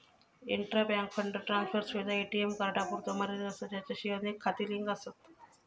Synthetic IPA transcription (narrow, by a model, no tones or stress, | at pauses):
ḭɳʈɾaːbjaːŋkfʰɐɳɖɾʈɾaːnspʰɐɾsʋid̪aeːʈiemkɐɾɐʈaːpuɾt̪omɐɾid̪ɐsɐt͡ʃɐt͡ʃːɐʃiʋɐnikʰɐt̪iliŋɡɐsɐt̪